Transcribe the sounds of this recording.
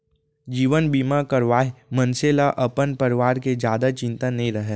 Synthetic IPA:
d͡ʒiːʋənbiːmakɐɾʋaːɦimənselaʔɐpənpəɾɪʋaːɾked͡ʒjaːd̪at͡ʃɪ̃nt̪anɐɦĩɾɐɦeː

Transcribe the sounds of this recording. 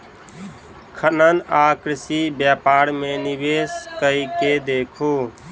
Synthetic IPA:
kʰənənakɾɪsibjapaɾmenibeskəiked̪ekʰu

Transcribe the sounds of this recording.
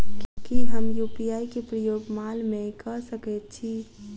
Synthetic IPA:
kjõkiɦəmjuːpijaːikepɾəjoːɡmaːlmẽkəsəkɛtt͡ʃʰi

